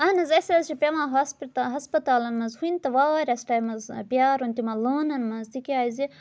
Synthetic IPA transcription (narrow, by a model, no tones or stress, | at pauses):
ɐnɐzɐsɐɐzt͡ʃipʲemãːɦɐspt̪ɦɐspɐt̪aːlɐnmɐzhunt̪ɐʋaːwɐːɾʲɐsʈaːjmɐzpijaːɾunt̪imɐloːnɐnmɐzt̪ikiaːzi